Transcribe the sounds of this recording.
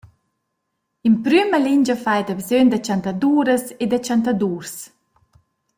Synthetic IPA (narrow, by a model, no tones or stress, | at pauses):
impɾyməliɲd͡ʒəfajd̪abzønd̪at͡ʃant̪ad̪uːɾəsed̪at͡ʃant̪ad̪uːɾs